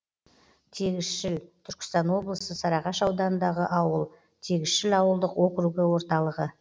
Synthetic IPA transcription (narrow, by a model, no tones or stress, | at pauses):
t̪ʰe̞ɡʲɪzʃɪlt̪ʰʏɾkʲɪ̥st̪ɑnwo̞blˠəsəsɑɾɑʁɑʃɑwd̪ɑnənd̪ɑʁəʔɑwəlˠ | t̪ʰe̞ɡʲɪz̥ʃɪlɑwəlˠd̪əqwo̞kɾuɡɪwo̞ɾt̪ɑlˠəʁə